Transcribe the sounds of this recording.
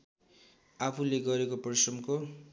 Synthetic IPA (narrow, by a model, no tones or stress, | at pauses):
apʰuleɡʌɾekopʌrsʌmko